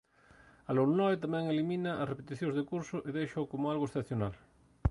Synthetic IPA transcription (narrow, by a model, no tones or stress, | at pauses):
aloɾnɔjt̪amɛ̃ŋelimĩnɐʔɐsrepet̪iθjõŋ̃zðekuɾsʊʔeðejʃɐʊkomʊalɣoesθeθjona̰l